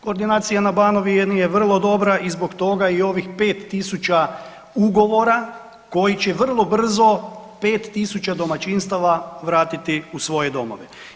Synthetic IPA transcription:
ko̞ːɾd̪inaːt̪sijanabano̞ʋienijeʋr̩lˠo̞d̪o̞bɾaʔizbo̞kt̪o̞ɡaio̞ʋixpe̞ːt̪ːisut͡ʃa | uɡo̞ʋo̞ɾa | ko̞jit͡ɕeʋr̩lˠo̞br̩zo̞ | pe̞ːt̪ːisut͡ʃad̪o̞mat͡ʃinst̪aʋaʋɾaːt̪it̪iusʋo̞je̞d̪o̞mo̞̰ʋe

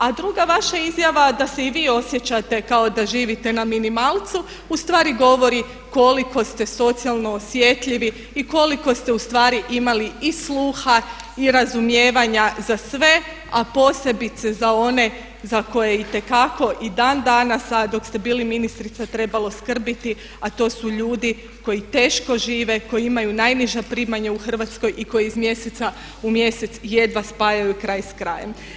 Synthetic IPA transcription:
ad̪ɾuɡaʋaʃaizjaʋad̪ase̞iʋiːo̞sje̞t͡ɕat̪e̞kaod̪aʒiːʋit̪e̞naminimalˠt̪su | ust̪ʋaːɾiɡo̞ʋo̞ɾi | ko̞liko̞st̪e̞so̞t̪sialˠno̞ːsʋjet̪ʎiʋi | iko̞liko̞st̪e̞ust̪ʋaːɾiʔimaliislˠuːxa | iɾazumje̞ːʋaɲazasʋe̞ | apo̞se̞bit̪se̞zao̞ne̞ | zako̞jeit̪e̞kako̞ʔid̪and̪anasad̪o̞kst̪e̞biːliminist̪ɾit̪sat̪ɾe̞balˠo̞skr̩bit̪i | at̪o̞ːsuʎuːd̪i | ko̞jit̪e̞ːʃko̞ʒiːʋe̞ko̞jiimajunajniʒapɾiːmaɲauxr̩ʋat̪sko̞jʔiko̞jeizmje̞set̪a | umje̞se̞t̪sje̞d̪ʋaspajajukɾaːjskɾa̰jem

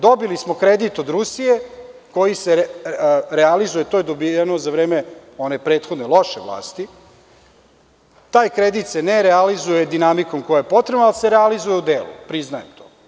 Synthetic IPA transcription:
d̪o̞bilismo̞kɾed̪it̪od̪ɾusije̞ko̞jise | ɾealizujet̪ojed̪obienozaʋɾeːmeo̞nepɾe̞ːt̪xo̞d̪ne̞lˠo̞ʃeʋlˠa̰ːst̪i | t̪aːjkɾed̪it̪seneɾealizujed̪inamiko̞mkojajepo̞t̪ɾebnoalseɾealizujeud̪eːlṵpɾiznajemt̪ʰo̰ː

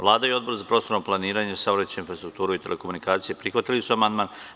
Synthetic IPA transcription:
ʋlˠaːd̪aio̞d̪bo̞ɾzapɾost̪o̞ɾnoplˠaniːɾaɲesaʋɾat̪t͡ɕeinfɾast̪ɾuk̚t̪uːɾuit̪e̞leko̞munikaːt̪sijepɾixʋat̪ilisuamand̪maːn

